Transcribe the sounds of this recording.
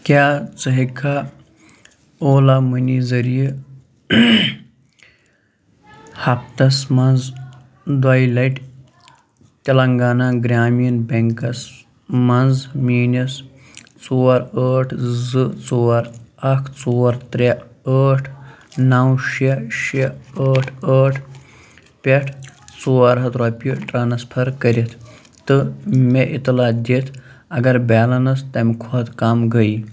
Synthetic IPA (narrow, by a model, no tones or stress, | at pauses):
kʲaːt͡sɨɦikʰa | oːlamənizɐɾijə | hɐp̚t̪ɐsmɐnd͡z | d̪ajlɐjʈ | t̪ʲɐlɐŋɡaːnaɡɾʲaːmijinbʲeŋkɐs | mɐnzmiːnɐs | t͡soːɐɾəːʈʰzɨt͡soːɐɾɐkʰt͡soːɐɾt̪ɾʲeəːʈʰnɐwʃeʃeəːʈʰəːʈʰ | pʲeʈʰt͡soːɐɾɦɐt̪ɾaːpʲiʈɾaːnɐspʰɐɾkɐɾit̪ʰ | t̪ɨmeʔit̪laːd̪it̪ʰɐɡɐɾbʲaːlɐnɐst̪ɐmkʰoːt̪kamɡɐi